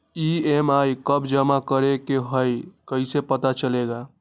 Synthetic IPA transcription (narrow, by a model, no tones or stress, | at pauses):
iemajkəbd͡ʒəmakəɾekeɦəjkəɪsepət̪at͡ʃəleɡa